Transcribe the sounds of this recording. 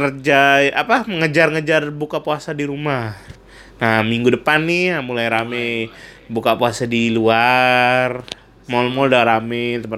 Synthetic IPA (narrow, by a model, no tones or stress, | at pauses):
kəd͡ʒaiapaməŋəd͡ʒarŋəd͡ʒarbukapuasadiɾuma | namiŋɡudəpanːɪamulajɾamɛ | bukapuasadiluar | mɔlmɔldaɾamɛt̪əpə